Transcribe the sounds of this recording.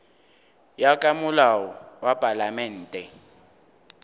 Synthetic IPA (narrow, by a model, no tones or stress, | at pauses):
jakʼamʊlawɔwapʼalamɛːn̩ːtʼɛ